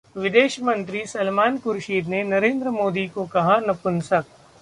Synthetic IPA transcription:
ʋɪd̪eːʃmɐ̃nt̪ɾisɐlmaːnkʊɾʃiːd̪nenɐɾẽːnd̪ɾəmoːd̪ikokɐɦanɐpʊnsɐk̚

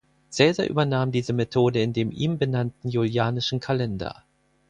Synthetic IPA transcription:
t͡sɛːzɐʔy̰ːbɐnaːmdiːzəmetʰoːdəɪndeːmʔiːmbənantn̩juljaːnɪʃn̩kʰalɛndɐ̰

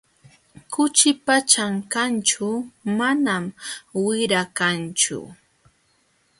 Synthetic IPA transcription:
kʊt͡ʃɪpat͡ʃaŋkant͡ʃʊmanamwɪɾakant͡ʃʊ̰

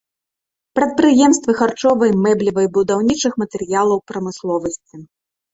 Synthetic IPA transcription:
pɾɐt̪̚pɾɨjɛmst̪vɨxart͡ʂɔvɐjmɛblʲivɐjbud̪awnʲit͡ʂɨxmɐt̪ɛɾjalˠɐwpɾɐmɨslˠɔvɐsʲt͡sʲi

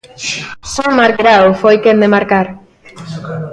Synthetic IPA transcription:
somaɾkɾawfojkend̪emaɾkaɾ

